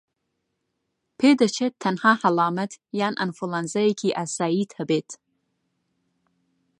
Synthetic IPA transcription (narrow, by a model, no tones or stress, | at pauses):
pʰeːd̪ət͡ʃʰet̪ʰːɐnhɑːhɐlɑːmɐt̪jaːnʔɐ̰nfulanzɐjekʰiːʔasaːiːt̪ʰhɐbeːt̪